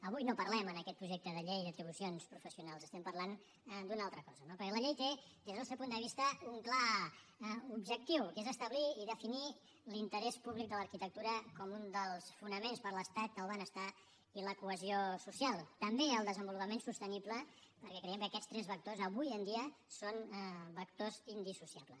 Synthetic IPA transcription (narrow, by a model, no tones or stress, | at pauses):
əβujnopəɾlɛmənəkɛt̪pɾuʒek̚t̪əðəʎejðət̪ɾiβ̞usionspɾufəsiunalˠsəst̪ɛmpərlan | d̪unalˠt̪ɾəkɔzənopəɾkɛləʎejt̪ed̪ezðəlˠsɛwpund̪əβist̪əuŋkla | ubʒək̚t̪iwkezəst̪əβliːðəfini | lint̪əɾɛspuβlik̚d̪ələɾkit̪ək̚t̪uɾəkɔmund̪əlˠsfunəmenspəɾləst̪at̪̚əlˠβanəst̪a | iləkuəziosusialˠt̪əmbeəlˠd̪əzəmbulupəmensust̪ənipləpəɾkɛkɾəjɛmkəːkɛst̪ɾɛzβək̚t̪ozəβujənd̪iəsonbəkt̪ozind̪isusiapləs